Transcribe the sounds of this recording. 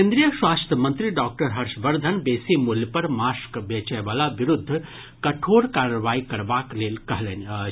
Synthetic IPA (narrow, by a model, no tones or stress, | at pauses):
ẽːnd̪ɾijəʃwaːst̪ʰəmɐnt̪ɾiɖaːk̚ʈəɾɦɐɾʃʋəɾd̪ʱənbeːsimuljəpɐɾmaːskʋeːt͡ʃajʋaːlaʋɪɾʊd̪ʱːə | kɐʈʰoːɽkaːɾəʋaːikɐɾʋaːkleːlkɐɦlen